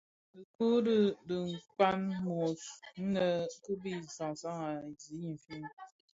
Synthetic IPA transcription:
ə˨ku˦də˦də˨ŋ̩˨ka˦nmɔ˨sn̩˦nə˦ku˦bi˦˨sa˨ŋ˨sa˦ŋa˨zi˨˦i˨fi˦n˦

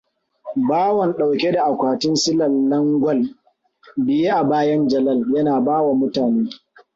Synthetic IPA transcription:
baː˦wɐ˨nɗa˨wkʲe˦da˨ʔa˨kʷaː˨tɪ˦nsɪ˦lɐ˨lːɐ˦ŋɡʷɔ˦l | bɪ˨je˦ʔa˨baː˦jɐ˦nd͡ʒɐ˨lɐ˦ljɐ˦naː˨baː˦wa˨mʊ˦taː˨neː˦

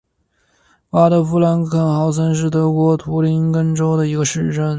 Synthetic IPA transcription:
pa˥ɾə˧fu˥la˧˥nkʰə˥˩nxɑ˧˥ʊs̬ʰə˥nʂ̬ɻ̩˥˩t̪ɤ˧˥kwɔ˧˥t̪ʰu˧˥li˧˥nkə˥nʈ͡ʂo˥ʊd̪ə˨i˧˥ɡə˧ʂɻ̩˥˧ʈ͡ʂə˥˩n

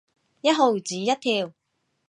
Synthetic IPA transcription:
jɐ˥t̚ɦo˨˩wt͡siː˨˦jɐ˥t̪ʰiː˧w

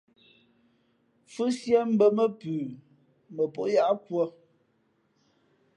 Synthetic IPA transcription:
fʉ˦sjɛ˦m̩˦bə˨mə˦pʉː˨ | mə˨po˦ʔja˦ʔkwə˦

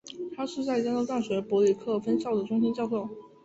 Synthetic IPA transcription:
t̪ʰa˥ʂɻ̩˥˧t͡sa˥˧ɪt͡ɕjnt̪o˥ʊt̪a˥˩nɕɥɛ˧˥pwɔ˧˥li˨˩kʰɤ˥˩fə˥nɕjɑ˥˩ʊd̪ə˩ʈ͡ʂʊ˥ŋɕi˥nt͡ɕjɑ˥˧ʊkʰɤ˥˩

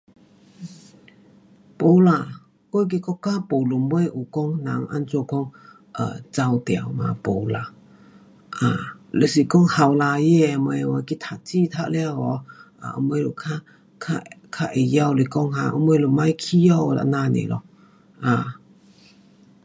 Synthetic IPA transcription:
po˨˦la˨ | kwo˧˦˨k̬i˧kɔ˧˥kːaː˦po˨˩lu˨˦mbwe˧˦ʔu˨kɔ˦ŋnã˨˦ŋʔa̰˧nt͡so˧kɔ˧˥ŋ | ʔə̰˨˩t͡sa˧wt̪ja˨˦wmã̰˧po˨˩la˨ | ʔa˨le˨si˨˩kɔ˦ŋha˨˩wla˧je˧˨˧m˧e˧wa˧ki˧t̪ʰa˨˩t̚t͡ɕi˧t̪ʰa˧ʔlja˧ɣɔ˧˦ʔa̰˨ʔɔ̰˧˦mwe˧˦lo˨kʰa˧ | kʰa˧kʰa˧ʔe˨ja˧wle˨˧˩kɔ˧ŋhã̰˧˨ʔɔ̰˧˦m˧e˧˦lu˨˩ma˧jkʰi˧ja˧˨wla̰˧˨nã˧nḛ˨lɔ̰˧ | ʔa˨

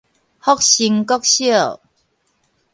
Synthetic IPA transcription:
hɔ˦k̚ɕi˧ŋkɔ˦˥k̚ɕi˥˩˨

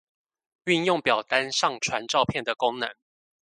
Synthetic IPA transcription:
y˥˧njʊ˥˨ŋpjɑ˨˩ʊt̪a˦nʂɑ˥˨ŋʈ͡ʂʰwa˧˦nʈ͡ʂɑ˥˧ʊpʰjɛ˥˩nd̪ə˩kʊ˦ŋnɤ˧˦ŋ

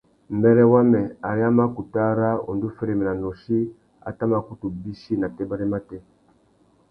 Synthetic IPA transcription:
mbɛ˦lɛ˦wa˦mɛ˨a˨ɾja˦ma˦ku˨ta˦ɾa˦ɔ̰˨ndu˦fɛ˦ɾɛ˨mɛ˨na˨nɔ˨ʃi˦ | a̰˨ta˦ma˦ku˦tu˨bi˦ʃi˦na˨tɛ˦ba˦ɾɛ˦ma˦tɛ˦

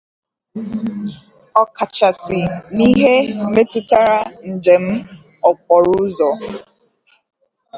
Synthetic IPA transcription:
ɔ˨ka˨t͡ʃa˨sɪ˨ni˦ɦe˦m̩˨me˦tʊ˦ta˦ɾa˦n̩˨d͡ʒe˨m̩˦ | ɔ˨k͡pɔ˨ɾʊ˦zɔ˨

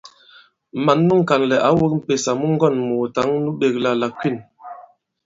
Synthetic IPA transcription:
ma˨nːu˦ŋ̩˨ka˨nlɛ˨ʔa˨˦wo˦k̚m̩˦˨pe˨sa˨mu˦ŋ̩˦ɡɔ˦˨nmo˨ta˨˦ŋnu˦ɓe˨kla˨la˨kwi˦˨n

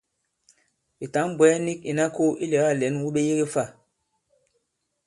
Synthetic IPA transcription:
i˨ta˨˦m˦bwɛ˨˦ni˦k̚i˨na˦ko˦ʔi˦lɛ˨˦a˦˨lɛ˨˦nwu˦ɓe˦je˦ɡe˦fa˦˨

